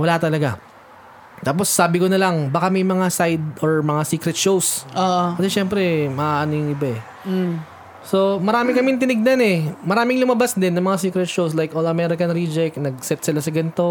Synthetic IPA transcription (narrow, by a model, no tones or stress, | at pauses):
wɐlat̪ɐlɐɡa | t̪aːp̬o̞sːaːbɪkonɐlɐŋbɐkamɐjmɐŋasajd̪̚ʔoɹmɐŋasiːkɾɛt̪̚ʃowsoʔkɐsɛʃɛmpɾɛmɐʔaʔɐnojŋɪbaɛ | so̞mɐɾaːmɪkɐmɪnt̪ɪnɪɡ̚nɐnɛmɐɾaːmɪŋlʊmɐbasd̪ɪnːɐŋmɐŋasiːkɾɛt̪̚ʃows̬lajkʔolɐmɛɾɪkɐnɾid͡ʒɛknɐɡ̚sɛt̪̚sɪlasɐɡɐnɪt̪o̞